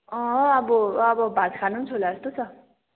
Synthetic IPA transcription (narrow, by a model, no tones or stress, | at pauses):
ʌʌbʌʌbʌbad͡zkʰanunt͡sʰolaʌst̪ot͡sʰʌ